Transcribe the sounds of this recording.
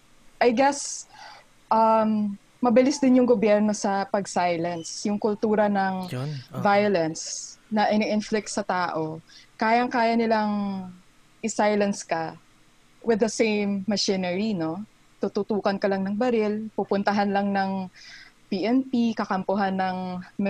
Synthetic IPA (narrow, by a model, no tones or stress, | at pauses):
ʔɐjɡɛs | ʔɐmː | ɐbɪlɪsd̪ɪnjʊŋɡobjɛɹno̞sɐpɐɡsajlɐnsjʊŋkʊlt̪uːɾɐnɐŋvajolɛnsnɐʔɪnɛʔɪnflɪk̚t̪sɐt̪aːʔo̞kaːjɐŋkaːjɐnɪlaŋ | ʔɪsajlɐnskɐ | wɪd̪ɐsejmːɐʃinɛɹino̞ | t̪ut̪ut̪uːkɐnkɐlɐŋnɐŋbɐɾɪlpupʊnt̪ɐɦanlɐŋnɐŋ | piʔɛnpikɐkɐmpʊɦanːɐŋm